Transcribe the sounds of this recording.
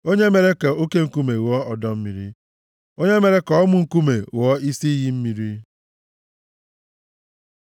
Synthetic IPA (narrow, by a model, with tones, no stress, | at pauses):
o˦ɲe˦me˨ɾe˦ke˨o˦ke˦ŋ̩˦ku˦me˨wɔ˦ɔ˨dɔ˦m̩˦mi˨ɾi˦ | o˦ɲe˦me˨ɾe˦kɔ˨ɔ˦mʊ˨ŋ̩˦ku˦me˨wɔ˦i˦si˦ji˦m̩˦mi˨ɾi˦